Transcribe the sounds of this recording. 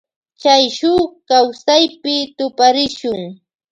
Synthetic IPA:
t͡ʃajʃʊkawsajpɪt̪ʊpaɾɪʃʊŋ

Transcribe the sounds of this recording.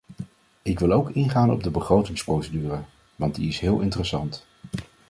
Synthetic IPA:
ɪkʋɪlˠowkɪnχaːnɔ̰b̚dəbəχrowtɪŋsprowsədyːrə | ʋɑntdḭɪsɦɪːlˠʔɪntərəsɑnt

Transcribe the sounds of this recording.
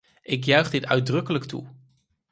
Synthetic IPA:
ʔɪk̬jœɥχdɪtœɥd̚rɵkələktṵ

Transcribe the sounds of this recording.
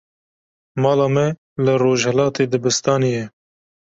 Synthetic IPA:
mɑːlɑːmɛ | lɨroːʒhɛlɑːt̪eːd̪ɨbɨst̪ɑːnijɛ

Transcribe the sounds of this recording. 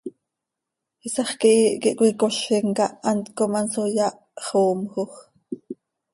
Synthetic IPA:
isɑχkiʔiʔkiʔkʷikoɬiŋkɑʔɑnt̪komɑnsojɑʔ | χoːmxoχ

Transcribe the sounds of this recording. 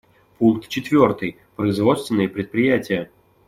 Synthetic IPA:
puŋˠk̚t̪t͡ɕɪt̪vʲort̪ɨj | pɾəɪzvɔt̪st̪vʲɪnːəjəpɾʲɪt̪̚pɾʲɪjatʲɪjə

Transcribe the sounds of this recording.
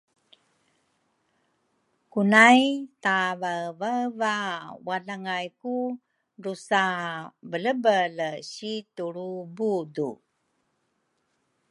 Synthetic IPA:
kunajtavəvəvawaɮaŋajku | ɾusabələbəlɕituɾubudṵ

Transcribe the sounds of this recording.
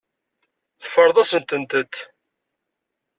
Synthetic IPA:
θəfəɾˤðˤɑsənt̪ənt̪ət̪ː

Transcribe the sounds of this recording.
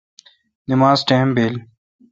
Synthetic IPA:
nɪmaːzʈeːmbeːl

